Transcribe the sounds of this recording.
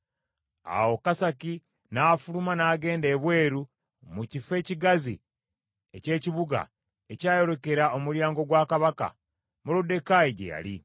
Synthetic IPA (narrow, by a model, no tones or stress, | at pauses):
a̰wo̞kasaki | nafulumanaːɡe̞ːnde̞βwe̞ːɾu | mucife̞ːciɡazi | e̞ce̞ːciβuɡa̰ | ecaːjo̞ɾo̞ke̞ɾao̞muɾjaːŋɡo̞ɡwaːkaβaka̰ | mulude̞kaiɟḛja̰li